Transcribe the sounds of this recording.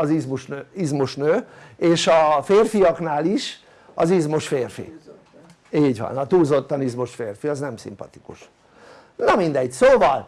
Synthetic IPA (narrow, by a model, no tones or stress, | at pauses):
ɒzizmuʃnøːizmuʃnøːeːʃɒfeːrfijɒknaːliʃ | ɒzizmoʃfeːrfḭ | iːɟʋɒ̰nɒt̪uːzo̞t̪ːɒnizmoʃfeːrfiɒznɛmsḭmpɒ̰t̪ikṵʃ | nɒmind̪ɛɟsoːvɒl